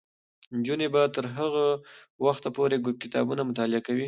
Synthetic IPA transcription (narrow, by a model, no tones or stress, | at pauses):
nd͡ʒunebat̪əɾɦəɣawaxt̪apoɾeɡkɪt̪ɑ̰bunamʊt̪ɑlɪakawi